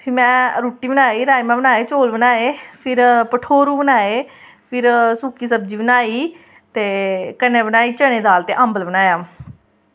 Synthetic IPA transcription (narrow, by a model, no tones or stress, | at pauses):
pʰɪɾmɛ̃ːɾuːʈːiːbənaːiːɾaːimɛ̃ːbənaːeːt͡ʃoːlbənaːeːpʰɪɾpəʈʰoːɾuːbənaːeː | pʰɪɾsuːkiːsəb̚d͡ʒiːbənaːiː | t̪eːkəneːbənaːiːt͡ʃəɽ̃ẽːd̪aːlt̪eːʔəmbəlbənaːjaː